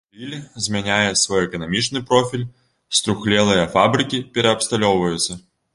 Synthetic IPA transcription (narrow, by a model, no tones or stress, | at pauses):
rʲilʲzʲmʲɛnʲajɛsvɔjɛkɐnamʲit͡ʂnɨpɾɔfʲilʲ | st̪ɾuxlʲɛlˠɨjɐfabɾɨkʲipʲɛɾɛɐpst̪alʲɔwvɐjut̪sːɐ